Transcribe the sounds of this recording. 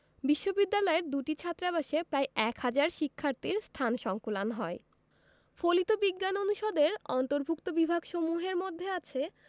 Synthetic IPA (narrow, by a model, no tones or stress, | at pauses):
biʃːobid̪ːalɔeɾd̪uʈit͡ɕʰat̪ːɾabaʃepɾaeʔɛkhad͡ʑaɾʃikʰːaɾt̪iɾst̪ʰanʃɔŋkulanɦɔe | folit̪obiɡːanonuʃod̪eɾɔnt̪oɾbʱukt̪obibʱaɡʃomuɦeɾmod̪ʱːeat͡ɕʰe